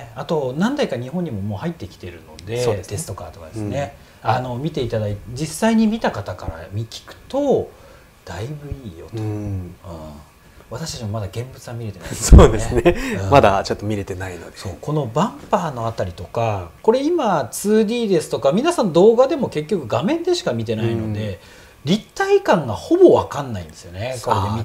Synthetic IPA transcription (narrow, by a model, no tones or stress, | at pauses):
at̪o̞nãnd̪aikaɲ̟iɦõɲ̟ːimo̞mo̞ːhait̪ːe̞kʲi̥t̪e̞ɾɯ̟no̞̰d̪e̞oet̪e̞sɨ̥t̪o̞kaːt̪o̞kad̪esɨne̞ | ano̞mʲit̪e̞it̪ad̪ait̪d͡ʑisːaiɲ̟imʲit̪akat̪aka̰ɾa̰mʲikʲi̥kɯ̟̥t̪o̞ | d̪̥aibɯ̟iːjo̞t̪oɯ̃ | βat̪aɕi̥t̪at͡ɕimomad̪aɡẽ̞mbɯ̟t͡sɨβamʲiɾe̞t̪e̞na̰soːd̪esɨneɯ̃ːmad̪at͡ɕot̪ːomʲiɾe̞t̪e̞naino̞d̪eso̞̰ːko̞no̞bãmpaːno̞at̪ːaɾʲit̪o̞kako̞ɾe̞imat͡sɨːd̪ʲiːd̪e̞sɨ̥t̪o̞kamʲinasãnːod̪o̞ːɡad̪e̞mo̞ke̞k̬ʲːo̞kɯ̟ɡamẽ̞nd̪e̞ɕi̥kamʲit̪̬e̞naino̞d̪e̞ | ɾʲit̪ːaikãŋɡaho̞bo̞βakãnːaĩnd̪e̞sɨjo̞ne̞kkoeemi